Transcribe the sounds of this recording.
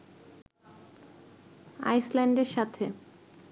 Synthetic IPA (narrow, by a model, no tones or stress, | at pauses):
a̰jslɛɳɖeɾʃat̪ʰe